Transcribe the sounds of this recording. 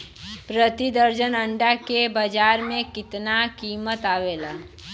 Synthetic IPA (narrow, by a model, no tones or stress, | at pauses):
pɾət̪id̪əɾd͡ʒənə̃ɳɖakebəd͡ʒaːɾmẽkɪt̪nakiːmət̪aːʋeːlaː